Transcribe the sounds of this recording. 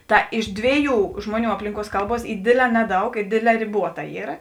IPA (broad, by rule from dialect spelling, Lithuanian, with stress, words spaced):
ˈtɐ ɪʃ ˈdʲʋʲeːˌjuː ˈʒmuɔˌnʲuː ˈɑːpʲlʲɪŋˌkuɔs ˈkɐlˠˌbuɔs ˈiː ˈdʲeːdʲˌlʲɛː ˈnʲæːˌdɐʊk ˈɪ ˈdʲeːdʲˌlʲɛː rʲɪˈbuɔtɐ ˈiːrɐ